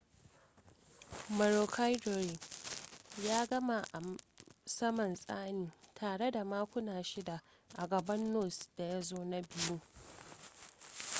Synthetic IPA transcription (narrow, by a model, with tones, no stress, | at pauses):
mɐ˨ɾo˨kʰa˦jdo˨ɾi˨ | jaː˦ɡɐ˦ma˨ʔa˨ | sɐ˦mɐ˨nsʼa̰ː˦niː˨tʰaː˨ɽe˦da˨maː˦kʷʊ˦naː˨ʃɪ˦da˨ | ʔa˨ɡɐ˨bɐ˦nːo˦˨sd̥a˨ja˦zoː˦na˦bɪ˦ju˦